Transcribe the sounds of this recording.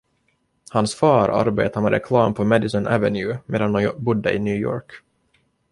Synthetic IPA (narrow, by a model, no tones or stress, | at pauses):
hansfɑːɾa̰ɾbḛːt̪aɾmɛɾɛkʰlɑːmpʰɔmɛd̪ɪsɪnʔævɛnjʉmeːd̪and̪ɔbʊd̪ːəʔɪnjʉːjɔ̰ːɾk